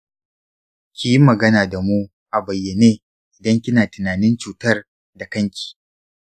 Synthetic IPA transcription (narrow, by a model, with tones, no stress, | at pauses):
kʲi˨ji˦mɐ˨ɡɐ˦naː˨da˨muː˦ | ʔa˨bɐ˨jːe˨neː˦ | ʔɪ˨dɐ˦ŋkʲɪ˦naː˨tɪ˨naː˨nɪ˦nt͡ʃuː˨tɐ˦r | da˨kɐ˦ŋkʲi̥ː˨